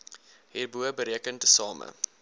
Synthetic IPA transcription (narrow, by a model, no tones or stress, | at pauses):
ɦiːrbuəbəɾiəkəntəsɑːmə̰